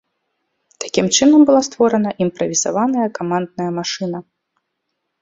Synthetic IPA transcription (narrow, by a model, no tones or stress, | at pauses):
t̪ḁkʲimt͡ʂɨnɐmbɨlˠast̪vɔɾɐnɐʔimpɾɐvʲiza̰vanɐjɐkamand̪nɐjɐmaʂɨnɐ